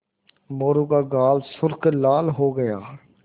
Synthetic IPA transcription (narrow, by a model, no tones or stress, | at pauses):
moːɾũːkaːɡaːlsʊɾklaːlɦoːɡəja̰ː